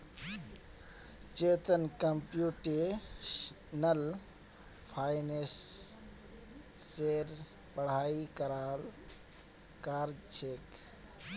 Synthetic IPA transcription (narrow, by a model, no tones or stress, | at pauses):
t͡ʃeːt̪ənkəmpjuʈe | nəl | pʰaːjnes | eːɾ | pəɽ̤aːikəɾaːl | kaːɾd͡ʒt͡ʃʰeːk